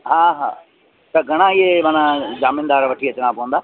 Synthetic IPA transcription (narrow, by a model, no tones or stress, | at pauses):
ɦaːɦa̰ː | t̪ɐɡʱɐɽ̃ãɪɦeʋãːnãd͡ʑaːmɪ̃nd̪aːɾʋɐʈʰiːɐt͡ɕɽ̃ãːpɐʋə̃nd̪aː